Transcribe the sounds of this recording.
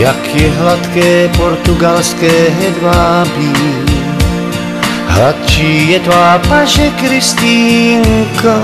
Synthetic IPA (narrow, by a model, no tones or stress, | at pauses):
jakʰjɛɦlat̪kɛːpoɾt̪uɡalskɛːɦɛd̪vaːbi | ɦlat̪t͡ʃiːjɛt̪vaːpaʃɛkɾist̪iːŋka